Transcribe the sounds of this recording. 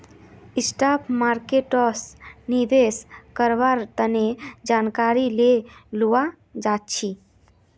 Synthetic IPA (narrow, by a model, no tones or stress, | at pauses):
ɪsʈapʰmaɾkeʈɔsniʋ̪eskəɾʋaɾt̪əned͡ʒaːnkaɾilelua | d͡ʒat̪̚t͡ʃʰi